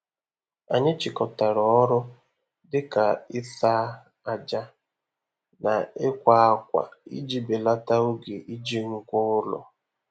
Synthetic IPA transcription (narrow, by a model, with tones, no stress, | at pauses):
a̰˨ɲɪ˦t͡ʃɪ˨kɔ˨ta˨ɾɔ˨˦ɾʊ˦ | dɪ˦ka˨ɪ˦θa˦ | a˨d͡ʒa˦ | na˨ɪ˦kʷa˦a˦k̚ʷa̰˨ḭ˦d͡ʒi˦be˨la˦ta˦ʊ˦ɡe˨ʔi˦d͡ʒi˦ŋ̩˦kʷʊ˦ʊ˦lɔ̰˨